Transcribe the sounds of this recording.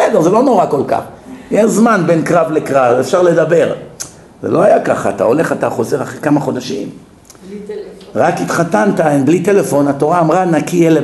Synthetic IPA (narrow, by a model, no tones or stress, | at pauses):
sɛdeʁzelo̞no̞ʁako̞lka̰χjɛʃzmanbenkʁavlekʁavefʃaʁle̞d̪abe̞ʁ | zḛlo̞ajakaχaːt̪a̰o̞le̞χat̪aχo̞zeʁaχekamaχo̞d̪aʃim | ʁakit̪χat̪ant̪aenblit̪elefo̞nat̪o̞ʁaːmʁanakiele